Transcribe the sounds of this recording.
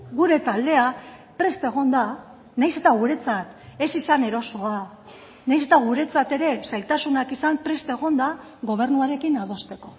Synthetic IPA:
ɡuɾe̞t̪ald̪e̞apɾe̞st̪e̞ɣ̞o̞nd̪a | najse̞t̪aɣ̞uɾe̞t͡sat̪e̞sisane̞ɾo̞so̞a | najs̬e̞t̪aɣ̞uɾe̞t͡sat̪e̞ɾe̞sajt̪asunakisampɾe̞st̪e̞ɣ̞o̞nd̪a | ɣo̞β̞e̞rnuaɾe̞kinað̞o̞st̪e̞ko̞̥

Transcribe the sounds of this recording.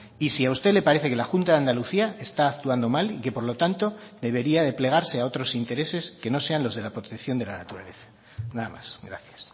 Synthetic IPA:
isiaust̪e̞le̞paɾe̞θe̞ke̞laxunt̪aðeand̪aluθiae̞st̪aːkt̪uand̪o̞malike̞po̞ɾlo̞t̪ant̪o̞d̪e̞β̞e̞ɾiaðe̞ple̞ɣ̞aɾse̞ao̞t̪ɾo̞sint̪e̞ɾe̞se̞ske̞no̞se̞anlo̞zðe̞lapɾo̞t̪ekθjo̞nd̪e̞lanat̪uɾa̰le̞̰θḁ | naðama̰sɡɾa̰θjḁs

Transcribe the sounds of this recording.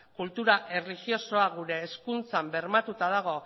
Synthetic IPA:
kult̪uɾaʔe̞rlixjo̞so̞aɣuɾe̞ːskunt͡sambe̞ɾmat̪ut̪að̞aɣ̞o̞

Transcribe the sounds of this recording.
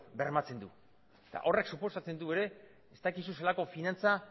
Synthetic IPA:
be̞ɾmat͡se̞nd̪u | et̪a̰ʔo̞re̞ksupo̞sat͡se̞nd̪ue̞ɾe̞ː | st̪akis̬uselako̞finant͡sa

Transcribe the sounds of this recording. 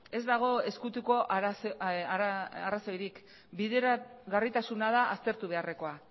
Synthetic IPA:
e̞zd̪aɣ̞o̞e̞skut̪uko̞ʔsaaraso̞jɾik | biðeɾaɣarit̪asunað̞aʔast̪e̞ɾt̪uβe̞are̞ko̞a

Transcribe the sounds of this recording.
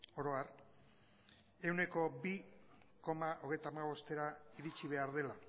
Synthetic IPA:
o̞ɾo̞aɾ | e̞wne̞ko̞bi | ko̞maʔo̞ɣ̞e̞jt̪amaβo̞st̪e̞ɾaiɾit͡ʃiβ̞e̞aɾð̞e̞la

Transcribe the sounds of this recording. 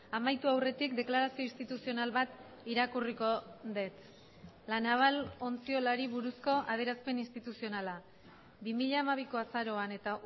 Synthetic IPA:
amajt̪uawre̞t̪ikd̪e̞klaɾasioinst̪it̪usio̞nalβat̪ | iɾakuriko̞ðe̞t͡s̪ | lanaβalo̞nt͡sio̞laɾiβuɾusko̞ʔað̞e̞ɾaspe̞ninst̪it̪usio̞nala | bimiʎaːmaβ̞iko̞asaɾo̞ane̞t̪a

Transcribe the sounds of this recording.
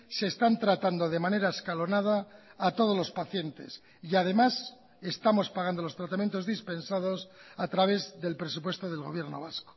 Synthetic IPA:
se̞ːst̪ant̪ɾat̪and̪o̞ðe̞mane̞ɾaeskalo̞nað̞aːt̪o̞ð̞o̞zlo̞spaθje̞nt̪e̞̰s | iað̞e̞mas | e̞st̪amo̞spaɣand̪o̞lo̞st̪ɾat̪amjent̪o̞zðispe̞nsaðo̞sat̪ɾaβ̞e̞zðe̞lpɾe̞s̬upwe̞st̪o̞ðe̞lɣ̞o̞̰βje̞ɾno̞̰β̞asko̥

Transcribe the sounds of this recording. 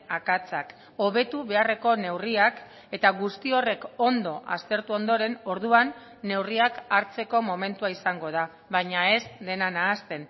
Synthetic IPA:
akat͡sak | o̞βe̞t̪uβe̞are̞ko̞ne̞wriak | e̞t̪aɣust̪io̞re̞ko̞nd̪o̞ʔa̰st̪e̞ɾt̪uo̞nd̪o̞ɾe̞no̞ɾð̞uanː | e̞wriakaɾt͡se̞ko̞mo̞me̞nt̪uaisaŋɡo̞ð̞a | βaɲae̞sd̪e̞nanaːst̪e̞n

